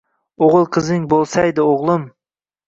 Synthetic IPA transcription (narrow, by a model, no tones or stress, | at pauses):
oʁɨlˠqʰɨzɪŋbolˠsajd̪ɪoʁlˠɨm